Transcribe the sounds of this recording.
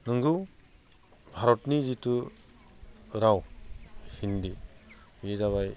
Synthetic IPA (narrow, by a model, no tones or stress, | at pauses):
nɯŋɡɯ | bʱaɾɔtnizitu | ɾaw | hindibizaβaj